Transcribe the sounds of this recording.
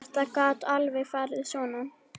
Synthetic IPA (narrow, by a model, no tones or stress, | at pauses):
t̪akaːt̪alvɛɣfaɾðsɔna